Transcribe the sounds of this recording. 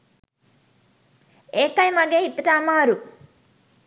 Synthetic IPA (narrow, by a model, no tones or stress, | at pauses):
eːkɐjmɐɡeːit̪ːɐʈaːmaːɾu